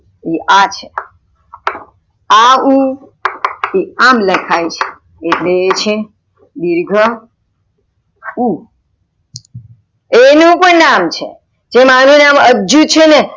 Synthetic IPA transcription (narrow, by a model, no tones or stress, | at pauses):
iʔat͡ʃʰe | au | iamləkʰajt͡ʃʰe̥ː | ʈlet͡ʃʰe | diɾɡʱə | u | enũpəɳnamt͡ʃʰḛ | d͡ʒemanũnaməd͡ʒut͡ʃʰene